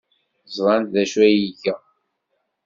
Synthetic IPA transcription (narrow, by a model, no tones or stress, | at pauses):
zˤvˤɑnt̪ðæʃwæjiʝæ